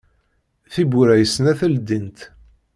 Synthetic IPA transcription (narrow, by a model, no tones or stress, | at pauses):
θibuɾæjsnæθæld̪int̪